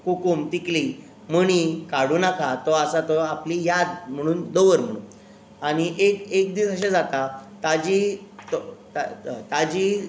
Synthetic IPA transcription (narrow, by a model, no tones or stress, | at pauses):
kukumt̪ikli | məɽ̃ikaɽuːnakat̪ɔasat̪ɔaplijad̪̚m̤əɽ̃uːnd̪oʋəɾm̤əɽ̃ṵːn | aɽ̃iʔekekd̪iːsəɕ̬ed͡zat̪at̪ad͡ʑit̪ɔt̪at̪ad͡ʑi